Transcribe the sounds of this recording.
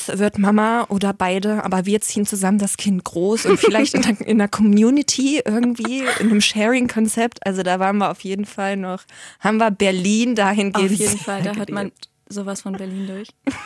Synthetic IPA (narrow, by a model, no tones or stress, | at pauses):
svɪɐtmamaʔoːdɐbaɪdəʔa̰ːbɐviːɐt͡siːənt͡suzaməndaskʰɪnt̚ɡ̥ʁoːsʔʊntfɪlaɪçtɪʔɪ̰neɐkʰɔmjuːnɪtʰiːʔɪɐɡŋ̩tv̥iːʔɪ̰nːəmʃɛːʁɪŋkʰɔnt͡sɛp̚tʔalzodaːvaːʁnviːɐʔaʊfjeːdn̩falnɔχhaːbm̩viːɐbɛɐliːndaːɦɪnɡeːnːn̩faldaɦøːɐman | zoːvasfɔnbɛɐliːndʊɐç